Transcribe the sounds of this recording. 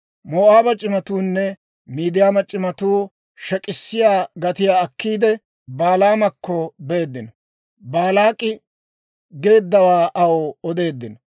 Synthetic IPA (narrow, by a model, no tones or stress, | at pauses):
moːʔaːbɐt͡ʃʼɪmɐt̪uːnːɛ | miːd̪ɪjaːmɐt͡ʃʼɪmɐt̪uː | ʃɛkʼɪsːɪjaːɡɐt̪ɪjaːɐkːiːd̪ɛ | baːlaːmɐkːɔbe̞ːd̪ːɪnɐ | baːlaːkʼɪ | ɡe̞ːd̪ːɐwaːʔɐwɔɔd̪e̞ːd̪ːɪnɔ